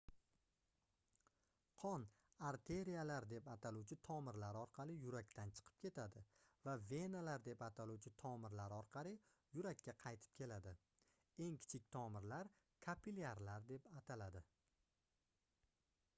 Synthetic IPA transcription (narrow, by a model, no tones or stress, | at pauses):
qʰɒn | aɾt̪ʰe̞ɾijalaɾd̪e̞pat̪ʰaluwt͡ʃʰɪt̪ʰɒmɪɾlaɾɒɾqʰɑlɪjʊɾakʲt̪ʰant͡ʃʰɨ̥qʰɨ̥p̚kʲʰe̞t̪ʰad̪ɪvave̞nalaɾd̪e̞pat̪ʰaluwt͡ʃʰɪt̪ʰɒmɪɾlaɾɒɾqʰɑlɪ | jʊɾakʲːaqʰɑjt̪ʰɪ̥p̚kʲʰe̞lad̪ɪ | e̞ŋkʲʰɪ̥t͡ʃʰɪk̚ʲt̪ʰɒmɪɾlaɾ | kʰapʰilaɾlaɾd̪e̞pat̪ʰalad̪ɪ